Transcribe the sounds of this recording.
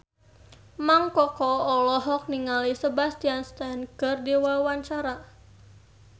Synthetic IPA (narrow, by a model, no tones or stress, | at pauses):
maŋkɔkɔːlɔɦɔk̚niŋalisəbast̪ianst̪ankərdiwawaɲt͡ʃaɾa